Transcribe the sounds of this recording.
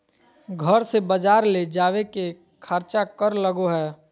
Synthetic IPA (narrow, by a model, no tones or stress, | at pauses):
ɡʱəɾsebəd͡ʒaːɾled͡ʒaːʋeke | kʰəɾt͡ʃakəɾləɡoɦɛː